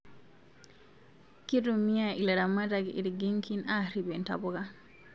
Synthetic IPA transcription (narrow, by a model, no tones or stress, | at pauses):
kidumijailaɾamadaɡɛḭɾiɡiŋkinaɾibɛnta̰bɔɡa